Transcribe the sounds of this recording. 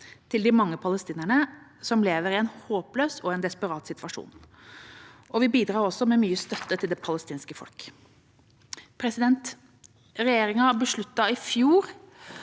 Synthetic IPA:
t̪ʰɪld̪ɪmɑŋːəpʰɑləst̪iːnæɳəsɔmleːʋəɾɪɛnhoːpløːsɔɛnd̪ɛspəɾɑːt̪sɪt̪ʰʋɑʂṵːn | ɔʋɪbiːd̪ɾɑːɾɔsːɔmɛmyːəst̪œt̪ːət̪ʰɪld̪ɛpʰɑləst̪iːnskəfɔ̰lk | pʰɾɛsɪd̪ɛnt̪ | ɾɛjeːɾɪŋɑbəʂɭʉt̪ːɑɪfjuːɾ

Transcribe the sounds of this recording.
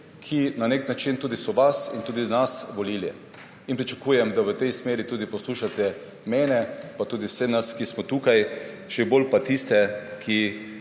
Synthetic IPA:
kʰinaneknat͡ʃint̪uːd̪isɔʋasint̪uːd̪inasʋɔliljɛ̰ | inpɾit͡ʃakuːjɛmd̪aʋət̪ɛjsmeːɾit̪uːd̪ipɔsluːʃat̪ɛ | mɛːnɛpat̪uːd̪iwsɛnaskismɔt̪ukaj | ʒɛbolpat̪ist̪ɛkʰi

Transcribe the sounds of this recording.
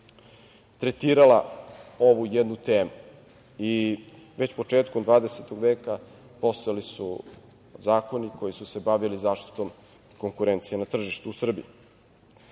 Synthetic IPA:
t̪ɾet̪iːɾalao̞ʋujed̪nut̪eːmu | iʋe̞t͡ɕpo̞t͡ʃeːt̪komd̪vʋaːd̪eset̪o̞ɡʋe̞ːka | po̞st̪ojalisṵ | zaːko̞niko̞jisuse̞baʋilizaːʃt̪i̥t̪o̞m | ko̞ŋkuɾe̞nt̪sijenat̪r̩ʒiʃt̪uːsr̩bḭji

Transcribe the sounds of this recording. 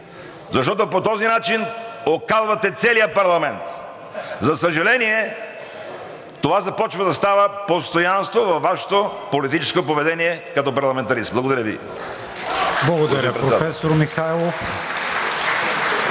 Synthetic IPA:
zɐʃ̬t̪ɔt̪opot̪ɔzinat͡ʃinokazvɐt̪ɛt̪sɛlijəpɐɾlˠɐmɛnt̪ | zɐsəʒɐlɛniɛ | t̪ovazɐpɔt͡ʃvɐd̪ɐst̪avəpost̪ojanst̪vovɐfːaʃɛ̥t̪opolit̪it͡ʃɛ̥skopovɛd̪ɛniɛkɐt̪ɔpɐɾlˠɐmɛ̃nt̪ɐɾismblˠɐɡod̪ɐɾəvḭ | blˠɐɡod̪ɐɾəpɾɛtpɾɛafɛsoɾmixajlˠof

